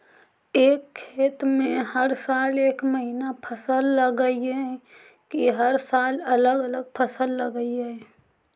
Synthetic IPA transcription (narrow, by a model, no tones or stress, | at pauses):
eːkʰːeːt̪mẽhəɾsaːleːkməɦinapʰəsəlːəɡəiɦɛ | kiɦəɾsaːlɐləɡələɡ̚pʰəsəlːəɡəiɦɛː